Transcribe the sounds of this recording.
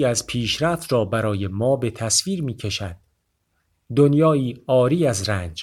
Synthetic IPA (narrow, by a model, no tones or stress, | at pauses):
æzpʰiːʃɾæft̪rɒːbæɾɒːje̞mɒːbe̞t̪ʰæsviːɾmiːcʰe̞ʃæd̪̥̚ | d̪onjɒːiːɒːɾiːæzɾænd͡ʒ